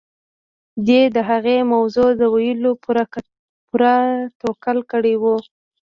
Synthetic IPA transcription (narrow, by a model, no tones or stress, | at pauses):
d̪ed̪əɦaɣemawzod̪əwajəlo | puɾat̪okəlkəɽewu